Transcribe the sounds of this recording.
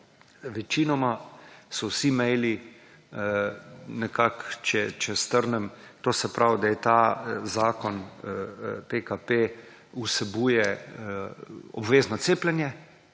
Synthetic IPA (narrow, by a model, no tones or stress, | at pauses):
ʋɛt͡ʃiːnɔmasɔwsimɛjli | nɛkakt͡ʃɛt͡ʃɛst̪əɾnɛmt̪oːsɛpɾʔawd̪ajɛt̪azaːkɔn | pekape | usɛbuːjɛ | ɔ̰bʋeːznɔt̪seːplɛnjɛ